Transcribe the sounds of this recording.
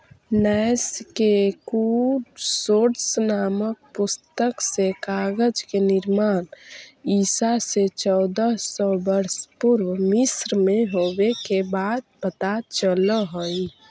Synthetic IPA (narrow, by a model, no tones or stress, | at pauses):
nɛjskekusoɾsənamək̚pust̪əksekaɡəd͡ʒkenɪɾmaːnisaset͡ʃɔʊd̪əsɔbəɾspuɾwəmisɾmeɦobekebad̪̚pət̪at͡ʃələɦoi